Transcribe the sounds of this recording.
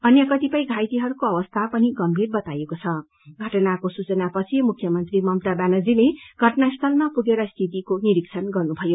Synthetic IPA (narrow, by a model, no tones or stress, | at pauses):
ʌnjʌkʌt̪ipʌjɡʱajt̪iɦʌɾukoʌwʌst̪ʰapʌniɡʌmbʱirbʌt̪ajekot͡sʰʌ | ɡʱʌʈʌnakosut͡sʌnapʌt͡sʰimukʰjʌmʌnt̪rimʌmt̪abanʌd͡zileɡʱʌʈnast̪ʰʌlmapuɡeɾʌst̪ʰit̪ikoniɾiksʰʌnɡʌrnubʱʌjo